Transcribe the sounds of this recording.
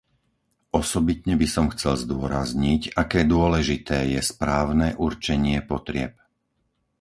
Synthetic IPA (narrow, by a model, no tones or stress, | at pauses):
ʔɔsɔbit̪ɲɛbisɔmxt͡sɛlzd̪ʊɔɾazɲicakɛːd̪ʊɔlɛʒit̪ɛːjɛspɾaːʊnɛʔuɾt͡ʃɛɲɪɛpɔt̪ɾɪɛp̚